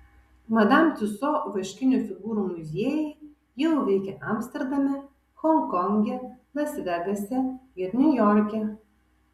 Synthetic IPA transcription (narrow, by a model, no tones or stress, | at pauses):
mɐd̪amt̪ʲʊsɔʋɐʃʲkʲɪnʲufʲɪɡuːɾumʊzʲeːjɛ | jɛlˠʋʲɛɪkʲɛʔamsʲt̪ʲɛɾd̪ɐmʲɛ | xɔŋkɔŋʲɡʲɛlʲɐsʲdʲɛɡɐsʲɛɪɾnʲujɔɾʲkʲɛ